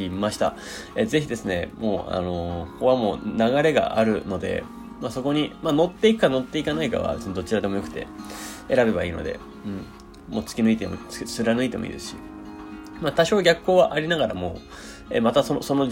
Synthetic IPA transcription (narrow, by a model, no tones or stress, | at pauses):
imaɕi̥t̪a̰ | eze̞çid̪e̞sɨne̞mo̞ːa̰no̞ko̞βamo̞ːnaɣaɾe̞ɡa̰ʔaɾɯ̟no̞d̪e̞̰ | maso̞ko̞ɲ̟imano̞t̪ːe̞ikɯ̟kano̞t̪ːe̞ikanaika̰βa̰d̪e̞sɨne̞d̪o̞t͡ɕiɾad̪e̞mo̞jo̞kɯ̟̥t̪e̞̰e̞ɾabe̞baiːno̞̰d̪e̞̰ | ɯ̟̃ɴ | mo̞ːt͡sɨ̥kʲinɨit̪emo̰t͡ssɨɾanɯ̟it̪e̞mo̰ḭːd̪e̞sɨ̥ɕḭ | mat̪aɕo̞ːɡʲakɯ̥kːo̞ːβaʔaɾʲinaɡaɾamo̞ː | ḛmat̪asonso̞no̞